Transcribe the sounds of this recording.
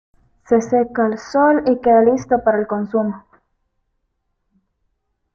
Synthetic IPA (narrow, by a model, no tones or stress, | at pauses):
se̞sekaelso̞likeðalist̪o̞paɾaelko̞nsumo